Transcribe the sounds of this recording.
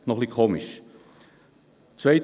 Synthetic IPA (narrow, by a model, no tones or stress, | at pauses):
nɔχlikʰoːmɪʃ | t͡sveɪ